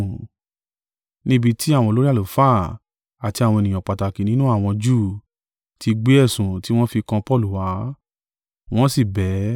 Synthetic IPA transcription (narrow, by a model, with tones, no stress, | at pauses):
nĩ˦bi˧tʰi˦a˦˨wɔ̃˧˨lo˦ɾi˦a˦˨lo˨faː˦˨ | a˨ti˧a˨w̃ɔ̃˧e˨nĩ˨ã˨k͡pa˨ta˨ki˨nĩ˦nũ˦a˦˨w̃ɔ̃˧d͡ʒuː˦˨ | ti˧ɡ͡be˦ɛ˦˨sũ˨ti˦w̃ɔ̃˦fi˧kã˧pɔ˦˨lu˨wa˨˦ | w̃ɔ̃˦si˦˨bɛ˨˦